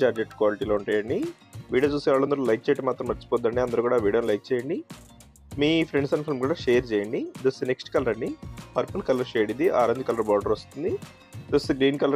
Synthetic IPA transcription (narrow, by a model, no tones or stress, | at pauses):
d͡ʒaːɾd͡ʒeʈkʋaːliʈiːloːuɳʈaːjɐɳɖi | ʋiːɽijoːt͡ʃuːsiʋaːɭːɐnd̪ɐɾuːlɐjk̚t͡ʃejʈɐmːaːt̪ɾɐmʋɐɾt͡ʃi̥pɔːd̪ːɐɳɖiɐnd̪ɐɾukuːɽaːʋiːɽijonilɐjk̚t͡ʃeːjɐɳɖi | miːpʰɾeɳɖsɐnpʰilmkuːɽaːʃeːjɐɾt͡ʃɛːjɐɳɖid̪ɐst̪neksʈkɐlɐɾɐɳɖipɐɾpɐlkɐlɐɾt͡ʃeːɽind̪iʔa̰ːɾɐnd̪ikɐlɐɾbaːɖɐɾost̪und̪i | d̪ɐsɡɾiːnkɐlɐ